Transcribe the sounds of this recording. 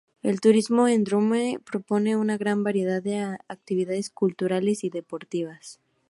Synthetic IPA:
e̞lt̪uɾizmo̞end̪ɾumepɾo̞po̞ne̞unaɣɾambaɾje̞ðaðeak̚t̪iβiðaðe̞skult̪uɾale̞siðe̞po̞ɾt̪iβ̞as

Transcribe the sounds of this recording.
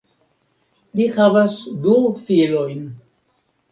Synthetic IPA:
lihavasdufilojn

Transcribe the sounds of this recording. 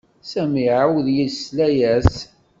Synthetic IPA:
sæmiʕawðjəslæjæs

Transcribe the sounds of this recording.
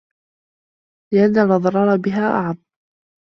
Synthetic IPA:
lɪʔanːalʔɑðˤɑɾˤɑːɾˤɑbɪɦaːʔa̰ʕab̚

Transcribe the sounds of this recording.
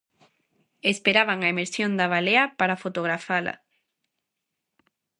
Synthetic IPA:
espeɾaβaŋaemeɾsjond̪aβaleɐpaɾafot̪oɣɾafala̰

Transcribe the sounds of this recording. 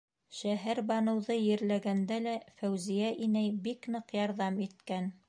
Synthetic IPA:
ʃæɦæɾbɑnɤ̆wðɤjɘ̆ɾlæɡænd̪ælæfæwzijæʔinæjbiknɤqjɑɾðɑmit̪kæn

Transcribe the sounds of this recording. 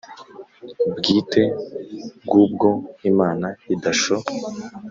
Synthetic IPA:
bɡiːte̞ | bɡuːbɡo̞imaːnaidaʃo

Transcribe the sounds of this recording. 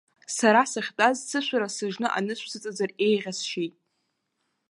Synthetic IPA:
saɾasaχʲtʼazt͡sʰɨʃʷaɾasɨʒnɨʔa̰nɨʃʷsʰɨt͡sʼazare̞jʁʲasʃejtʼ

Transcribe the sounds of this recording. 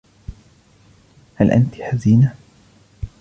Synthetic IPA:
halʔa̰nt̪iħaziːna

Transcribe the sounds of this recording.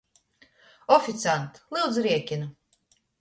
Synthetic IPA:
ɔfʲit̪sant̪lˠɨwd̪zɾiɛkʲinu

